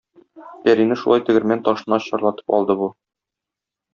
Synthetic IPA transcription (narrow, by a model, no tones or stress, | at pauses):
pæɾinɘʃulˠɑjt̪ɘ̆ɡɘ̆ɾmænt̪ɒʃɤ̆nɑɕɒɾlˠɑt̪ɤ̥pɒ̰lˠd̪ɤbu